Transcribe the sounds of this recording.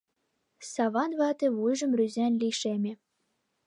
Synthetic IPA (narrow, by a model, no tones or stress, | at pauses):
sɑβɑnβɑt̪ĕβujʒə̆mryzænliʃemʲĕ